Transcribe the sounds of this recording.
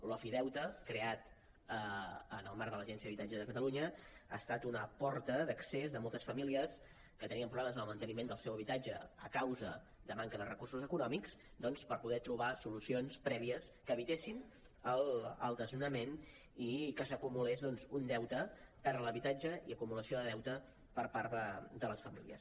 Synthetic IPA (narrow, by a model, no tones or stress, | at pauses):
lɔfiðɛwt̪əkɾeat̪ | əənəlˠmaɾðələʒɛnsiəðəβit̪ad͡ʒəðəkət̪əluɲəa̰ːst̪at̪unəpɔɾt̪əðəksezðəmɔlˠt̪əsfəmiliəs | kət̪əniəmpɾuβlɛməzənəlˠmənt̪ənimend̪əlˠsɛwəβit̪ad͡ʒəə̰kawzə̰ | d̪əmaŋkəðərəkursuzəkunɔmiks | d̪ɔnspəɾpuðɛt̪ɾuβasulusionspɾɛβiəskəβit̪esin | ələ̰lˠd̪əzunəmen | ikəsəkumulezðɔnzund̪ɛwt̪əpɛɾləβit̪ad͡ʒəiəkumuləsioðəðɛwt̪ə | pəɾpaɾt̪əd̪ələsfəmḭliə̰s